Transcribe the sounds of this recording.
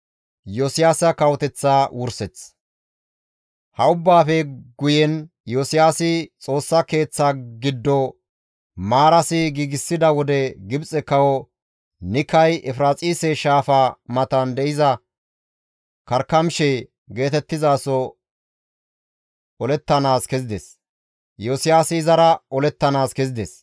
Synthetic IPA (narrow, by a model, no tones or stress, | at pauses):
josɪjaːsɐkɐwɔt̪ɛt͡sːaːwʊɾsɛt͡s | hɐʊbːaːfɛɡʊjɛn | joːsɪjaːsɪt͡sʼo̞ːsːɐke̞ːt͡sːaːɡɪd̪ːɔ | maːɾɐsɪɡiːɡɪsːɪd̪ɐwɔd̪ɛɡɪbt͡sʼɛkɐwɔ | nɪkːɐjʔɛfɾaːt͡sʼiːsɛʃaːfaːmɐt̪ɐnd̪ɛʔɪzɐ | kɐɾkːɐmʃɛ | ɡe̞ːt̪ɛt̪ːɪzaːsɔ | ɔlɛt̪ːɐnaːskɛzɪd̪ɛs | joːsɪjaːsɪːzɐɾɐɔlɛt̪ːɐnaːskɛzɪd̪ɛs